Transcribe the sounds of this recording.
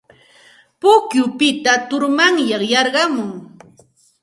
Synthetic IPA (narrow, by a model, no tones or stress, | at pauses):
pʊkjʊpɪt̪at̪ʊɾmaŋjɑχjɑɾɢɑmʊŋ